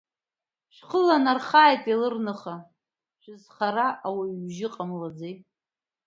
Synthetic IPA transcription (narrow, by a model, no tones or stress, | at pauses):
ʃʷᶣχəlanarχaːjtʼilɨrnɨχa | ʃʷᶣɪzχaɾaʔawaʒɪqʼamlad͡zej